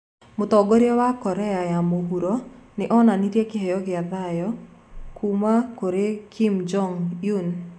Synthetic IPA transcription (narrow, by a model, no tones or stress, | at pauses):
mʊt̪ɔɡɔɾjɔwakɔɾɛajamoɦuɾonɪʔɔnaniɾjekɪɦɛjɔɡɪad̪ajɔ | kʰumakoɾekʰimd͡ʒɔŋjun